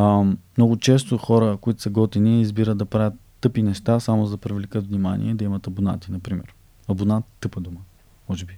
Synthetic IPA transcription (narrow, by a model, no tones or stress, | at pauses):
mnɔɡʊt͡ʃɛs̬t̪oxɔɾəkʊit̪ʊ̥sɐɡɔt̪iniːzbiɾəd̪d̪ɐpɾavʲət̪ːɤpinɛʃt̪asamʊzɐpɾivʲlikət̪vnʲimanḭɛd̪ɐimɐt̪ɐbuna̰t̪inɐpɾimɛ̰ɾ | ɐbunat̪ːɤpəd̪umə | mɔʒɛbi